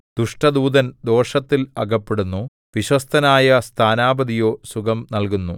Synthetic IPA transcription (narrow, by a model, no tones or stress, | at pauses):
d̪̥uʂʈɐd̪uːd̪ɐnd̪o̞ːʂɐt̪ːilɐɡɐpːeɽunːu | ʋiɕwɐst̪ʰɐnaːjɐst̪ʰaːnaːbɐd̪ijo̞ːsuɡɐmnɐlkunːu